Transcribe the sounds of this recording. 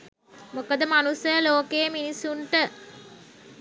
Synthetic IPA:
mokəd̪əmanusəloːkeːminisuɳʈə

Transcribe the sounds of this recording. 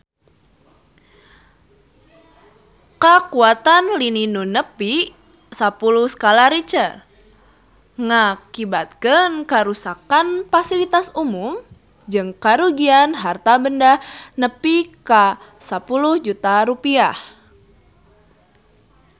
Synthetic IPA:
kakuat̪anlininunəpi | sapulʊhskalaɾit͡ʃə | ŋakibat̪̚kənkəɾusakanfasilit̪asumum | d͡ʒɨŋkaɾuɡianɦart̪abəndahnəpikasapulʊhd͡ʒut̪aɾupiah

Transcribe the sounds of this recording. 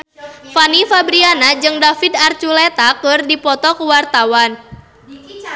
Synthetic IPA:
fanifabɾianad͡ʒɨŋdafidart͡ʃulet̪akɨrdipɔt̪ɔkəwart̪awan

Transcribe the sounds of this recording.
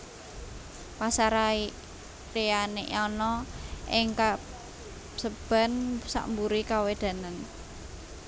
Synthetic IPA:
pasaɾai | reaneʔɔnɔʔɪŋka | səb̥a̤nsa̰ʔmbuɾikawed̪̥a̤nan

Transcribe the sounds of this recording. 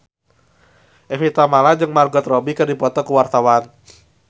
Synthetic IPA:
ʔɛfit̪amalad͡ʒɨŋmarɡɔt̪rɔbikɨrdipɔt̪ɔkəwart̪awan

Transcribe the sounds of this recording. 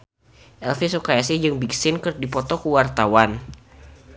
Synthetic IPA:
ʔɛlfisokajasid͡ʒɨŋbiksɪnkərdipɔt̪ɔkəwart̪awan

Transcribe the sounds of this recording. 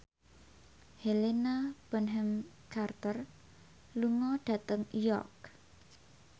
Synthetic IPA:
helenab̥ənɦɛm | kart̪ər | luŋɔɖ̥ä̤t̪əŋjɔk̚

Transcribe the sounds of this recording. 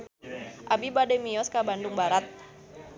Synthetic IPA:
ʔabibadɛmiɔskabanduŋbaɾat̪̚

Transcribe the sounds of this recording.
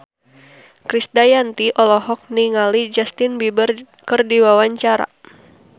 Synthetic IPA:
kɾisdajant̪iʔɔlɔɦɔk̚niŋalid͡ʒast̪ɪnbibər | kɨrdiwawaɲt͡ʃaɾa̰

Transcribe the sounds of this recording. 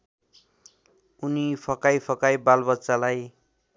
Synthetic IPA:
unipʰʌkajpʰʌkajbalbʌtːsalaj

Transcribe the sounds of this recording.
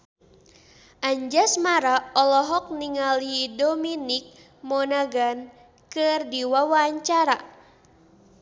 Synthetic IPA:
ʔaɲd͡ʒasmaɾaɔlɔɦɔk̚niŋalidɔminik̚ | mɔnaɡan | kɨrdiwawaːɲt͡ʃaɾa

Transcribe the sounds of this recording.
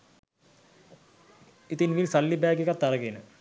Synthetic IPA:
it̪inʋilsalːibæːɡekat̪ːaɾəɡenə

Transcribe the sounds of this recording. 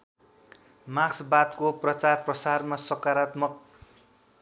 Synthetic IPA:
maɡsbat̪koprʌt͡sarprʌsarmasʌkaɾat̪mʌk̚

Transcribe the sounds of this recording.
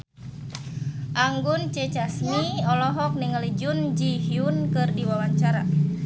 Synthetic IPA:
ʔaŋɡunt͡ʃɛt͡ʃasmiɔlɔɦɔk̚niŋalid͡ʒund͡ʒihiunkɨrdiwawaɲt͡ʃaɾa̰

